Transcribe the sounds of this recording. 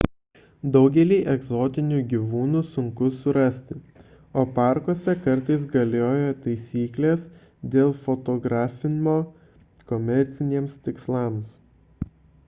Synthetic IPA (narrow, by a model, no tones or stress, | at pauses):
d̪ɒʊɡʲɛlʲiːʔɛɡzoːt̪ʲɪnʲuːɡʲiʋuːnuːsʊŋkʊsʊɾɐsʲt̪ʲɪ | oːpɑˑɾkoːsʲɛkɐɾt̪ɐɪs̬ɡɐlʲoːjot̪ɐɪsʲiːklʲeːs | d̪ʲeːlˠfot̪ɔɡɾɑːfʲɪnʲmoː | kɔmʲɛɾʲt̪sʲɪnʲiɛmst̪ʲɪkslˠɑːˑms